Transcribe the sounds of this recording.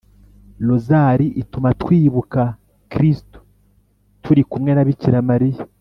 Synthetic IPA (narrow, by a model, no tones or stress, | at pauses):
lozaɾiʔitumatkwiːβuka | kɾisto̥ | tʰuɾikumŋe̞naβiciɾamaɾija